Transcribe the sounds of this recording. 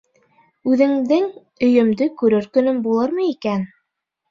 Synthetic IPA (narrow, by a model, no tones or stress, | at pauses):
ʉðɘ̆ŋd̪ɘŋ | ɵ̆jɵ̆md̪ɘkʉɾɘɾkɵ̆nɵmbulˠɤɾmɤikæn